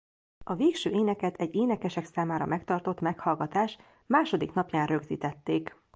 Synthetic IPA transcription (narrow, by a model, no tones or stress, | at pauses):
ɒveːkʃøːʔeːnɛkɛt̪ʰɛɟːeːnɛkɛʃɛksaːmaːɾɒ̰mʔɛkt̪ɒrt̪o̞t̪mɛkhɒlɡɒt̪aːʃ | maːʃo̞d̪iknɒpjaːnrø̞ɡzḭːt̪ɛt̪ːeːk